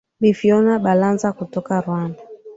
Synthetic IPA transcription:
ɓifiɔnaɓalanzakutɔkaɾwanda

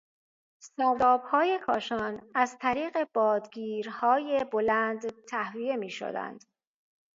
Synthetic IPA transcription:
sævɒːb̥hɒːje̞kʰɒːʃɒːnæzt̪ʰæɾiːɣe̞b̥ɒːd̪ɡiːɾhɒːje̞bo̞lænd̪t̪ʰæhvije̞miːʃo̰d̪æ̰nd̪̥

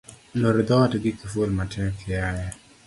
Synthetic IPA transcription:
noɾɪd̪ɔtɡɪkifolmatʰɛŋkɪaja

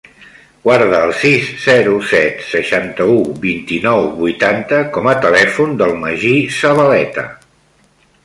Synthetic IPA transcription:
ɡwaɾðəːlˠsisz̥ɛɾusɛt̪səʃant̪əubint̪inɔwβujt̪ant̪əkɔmət̪əlɛfund̪əlˠməʒisəβəlɛt̪ə̰

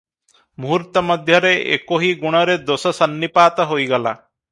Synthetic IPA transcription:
muɦɾt̪ɔmɔd̪ʱjʌɾeʔḛkoɦiɡuɽ̃ɔɾed̪osɔsʌnːipaːt̪ɔɦojɡɔla̰

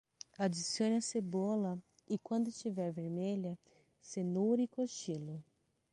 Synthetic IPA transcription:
ad͡ʒisiõnɐsebolɐ | ɪkwɐ̃nd̪ʊst͡ʃivɛɾveɾmelɐ | senuɾikoʃilʊ

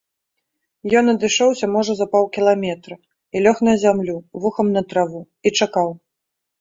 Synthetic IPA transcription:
jɔnɐd̪ɨʂɔwsʲɐmɔʐɐzɐpawkʲilˠamʲɛt̪ɾɐ | ilʲɔxnɐzʲamlʲuvuxɐmnɐt̪ɾavu | it͡ʂakaw

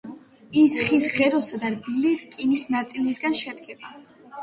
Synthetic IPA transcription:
isχisʁɛɾɔsad̪aɾbiliɾkʼinisnat̪sʼilisɡanʃɛd̪ɡɛba

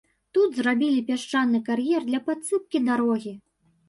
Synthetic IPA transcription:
t̪ud̪zrabʲilʲipʲaʂt͡ʂanːɨkarjɛrd̪lʲɐpat̪sɨp̚kʲid̪aɾɔɣʲi

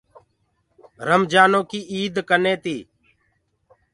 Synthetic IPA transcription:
ɾəmd͡ʒaːnõːkiːʔiːd̪kənẽːt̪iː

